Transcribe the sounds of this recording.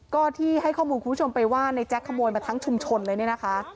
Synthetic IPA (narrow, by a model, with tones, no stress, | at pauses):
kɔː˥˩t̪ʰiː˥˩ɦa˥˩jkʰɔː˥˩muː˧ku˧˩˦o˧mpa˧jwaː˥˩na˧jt͡ɕɛ˦˥kʰːa˧moː˧jmaː˧t̪ʰa˦˥ŋt͡ɕʰu˧mt͡ɕʰo˧nlɤː˧jni˥˩ɐna˦˥kʰa˦˥ʔ